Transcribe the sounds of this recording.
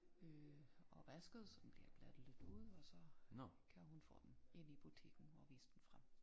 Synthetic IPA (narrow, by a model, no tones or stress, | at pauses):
øɒʋæsɡ̥ð̞̩ˠsɒ̽mmb̥liɐ̰b̥læd̥ð̩ˠle̝d̥uð̰ˠɒ̽sɒ̽kʰæɦunfɔ̰ːd̥ene̝n̰ib̥ut͡sʰe̝̰ɡ̥n̩ɒʋḭːsəd̥en̩fʁam̰